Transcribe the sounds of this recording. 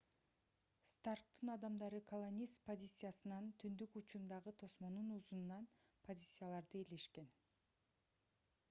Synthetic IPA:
st̪ark̚t̪ɯnɑd̪ɑmd̪ɑɾɯkʰolˠonʲːist̪po̞zʲit̪sɨjasɯnɑnt̪ʰynd̪ykut͡ʃund̪ɑʁɯt̪ʰo̞smo̞nunuzunːɑnpʰo̞zʲit̪sɨjalˠɑɾd̪ɯeleʃke̞n

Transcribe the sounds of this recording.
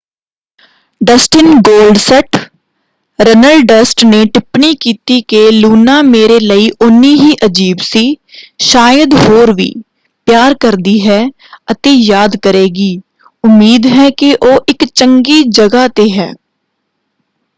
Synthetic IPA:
ɖəsʈɪnɡoːlɖsəʈ | ɾənəlɖɖəsʈneʈɪpnikiːt̪ikeluːnameːɾeləiʔʊniɦiʔəd͡ʒiːbsiʃaːjəd̪ɦoːɾʋḭː | pjaːɾkəɾd̪iɦɛː | ət̪ejaːd̪kəɾeːɡiː | ʊmːiːd̪ɦɛkeʔoːʔɪkt͡ʃə̃ŋɡid͡ʒəɡat̪eɦɛ̰ː

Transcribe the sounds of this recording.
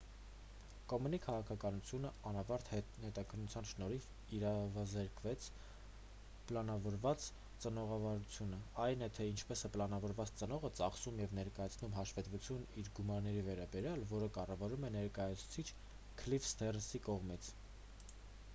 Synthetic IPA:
kɔmunikʰɑʁɑkʰɑkɑnut͡sʰjunəɑnɑvɑɾt̪hɛhɛt̪ɑkʰənːut͡sʰjɑnʃnɔɾiv | iɾɑvɑzɛɾkvɛt͡sʰ | plɑnɑvɔɾvɑt͡s | t͡sənɔʁɑvɑɾut͡sʰjunəɑjnɛt̪ʰɛint͡ʃʰpɛsɛpəlɑnɑvɔɾvɑt͡st͡sənɔʁət͡sɑχsumjɛvnɛɾkɑjɑt͡sʰnumɦɑʃvɛt̪vut͡sʰjuniɾɡumɑɾnɛɾivɛɾɑbɛɾjɑlvɔɾəkɑrɑvɑɾumɛnɛɾkɑjɑt͡sʰu̥t͡sʰit͡ʃʰ | kʰlifst̪ʰɛrnsikɔʁmit͡sʰ

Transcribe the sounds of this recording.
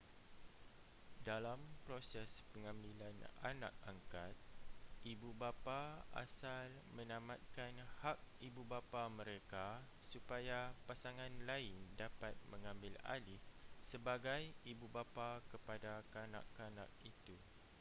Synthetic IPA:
dalampɾosɛspəŋãmbilana̰nã̰k̚aŋkat̪̚ʔibubapaa̰sal | mə̃nãmat̪̚kanhak̚ibubapamə̃ɾeka | supajapasaŋãnlaɪndapat̪̚mə̃ŋãmbɪla̰lɪhsəbaɡajibubapakəpadakanã̰kːanã̰k̚it̪u

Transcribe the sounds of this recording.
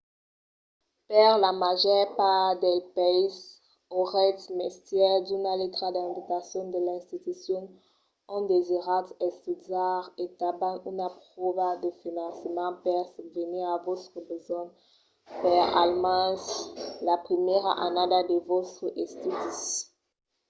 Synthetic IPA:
pɛʁlamaʒɛʁpad̪ɛlpɛjs | oʁɛt̪mɛst̪jɛʁd̪ynalet̪ʁad̪ɛ̃vit̪asjɔ̃d̪əlɛ̃st̪it̪ysjɔ̃n | ɔ̃d̪eziʁat̪ɛst̪izaʁet̪abanynapχɔvad̪əfinɑ̃səmɑ̃pɛʁsuvəniʁavotχəbəzɔ̃ | pɛʁalmɑ̃slapχimjɛʁa̰ʔa̰nad̪ad̪əvot̪χəʔɛst̪it̪is

